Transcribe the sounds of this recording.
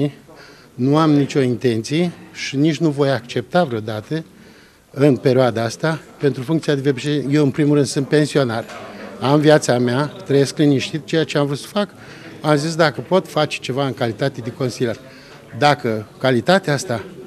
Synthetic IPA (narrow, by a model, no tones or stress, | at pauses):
i | nuamnit͡ʃo̞int̪e̞nt̪sije̞ʃinit͡ʃʲnuvo̞jakt͡ʃe̞p̚t̪avɾeo̞d̪at̪ə | ɨnpe̞ɾʲioad̪aast̪ape̞nt̪ɾufuŋkt̪sijad̪evebt͡ʃejewɨnpɾimuɾɨnd̪sɨnt̪̚pe̞nsio̞naramviat̪sameat̪ɾəjeskliniʃt̪it̪̚t͡ʃejat͡ʃeamvɾut̪sə̥fak | amzis̬d̪akəpo̞t̪fat͡ʃe̥t͡ʃe̞vaɨŋkalit̪at̪e̞d̪eko̞nsilʲr | d̪akəkalit̪at̪east̪a